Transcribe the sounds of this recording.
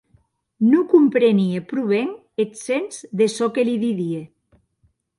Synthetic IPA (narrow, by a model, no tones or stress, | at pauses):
nukumpɾeniepɾuβ̞eŋ | eksenzðesɔkeliðiðie